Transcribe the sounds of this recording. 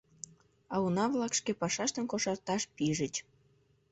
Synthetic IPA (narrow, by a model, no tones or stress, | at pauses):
ɑunɑβlɑkʃkepɑʃɑʃt̪ənkoʃɑrt̪ɑʃpiʒət͡ɕ